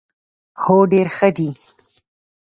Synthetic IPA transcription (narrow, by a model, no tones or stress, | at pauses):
hoɖeɾxəd̪i